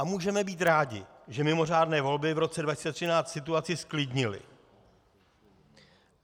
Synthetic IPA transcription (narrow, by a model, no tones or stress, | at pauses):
ʔamuːʒɛmɛbiːt̪ɾaːɟɪ̰ʒɛmɪmo̞r̝aːdnɛːvo̞lbɪvɾo̞tt͡sɛdvacɪst͡sɛt̪r̝̥ɪnaːt͡st̪sɪt̪uat͡sɪsklɪdɲɪlɪ̰